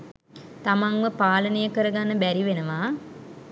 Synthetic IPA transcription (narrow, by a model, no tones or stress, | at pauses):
t̪amaŋʋəpaːlənəjəkəɾəɡanːəbæɾiʋenəʋaː